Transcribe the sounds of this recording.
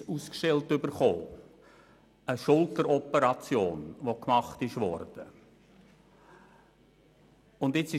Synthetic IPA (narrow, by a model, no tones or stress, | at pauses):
uskʃtɛltʏbəɾχo̰ː | əʃʊltəɾɔpəɾɑt͡sjo̰ːnʋokmɑχtɪʃʋɔ̰rd̥ə | ʊndɪt͡sɪ